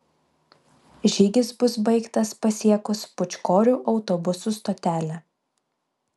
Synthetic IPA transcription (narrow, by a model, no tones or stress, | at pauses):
ʒʲiːɡʲɪsbʊsbɐɪkt̪ɐspɐsʲiɛkʊspʊt͡ʃʲkoːɾʲuːˑʔɒʊt̪ɔbʊsust̪oːt̪ʲæːlʲæ